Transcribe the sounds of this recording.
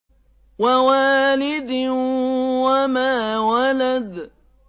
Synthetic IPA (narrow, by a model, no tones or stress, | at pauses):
wawaːlɪd̪ | wamaːwalad̪